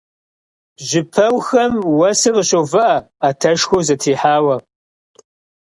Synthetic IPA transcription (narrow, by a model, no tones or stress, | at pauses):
ʒɪpʰɐwxɐmwɐsɨʁəɕʼowvɐʔɐ | aːtʰɐʃxʷowzɐtʰiːħaːwɐ